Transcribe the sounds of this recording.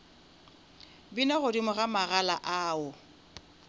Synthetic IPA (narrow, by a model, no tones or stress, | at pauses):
binaɣʊdimʊɣamaɣala̰ʔaːʊ